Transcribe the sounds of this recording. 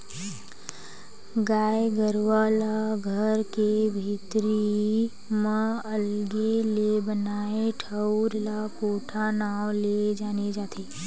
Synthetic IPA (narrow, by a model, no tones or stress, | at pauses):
ɡaːeɡəɾʋalaɡʱəɾkebʱit̪ɾi | mə̃əlɡelebənaːeʈʰəwɾlakoːʈʰanaːwled͡ʒaːned͡ʒaːt̪ʰeː